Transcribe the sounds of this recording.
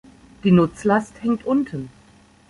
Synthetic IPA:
d̥iːnʊt͡slasthɛŋtʔʊntʰən

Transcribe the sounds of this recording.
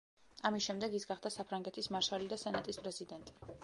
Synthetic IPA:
amisʃɛmd̪ɛɡisɡaχd̪asapʰɾaŋɡɛt̪ʰismaɾʃalid̪asɛnat̪ʼispʼɾɛzid̪ɛnt̪ʼi̥

